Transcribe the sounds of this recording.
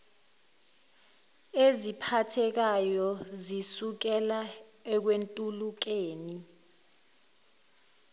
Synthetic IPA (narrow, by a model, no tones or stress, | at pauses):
ezipʰatʰɛk̬ajɔzisuk̬ɛlaɛk̬wentʼuluk̬eːni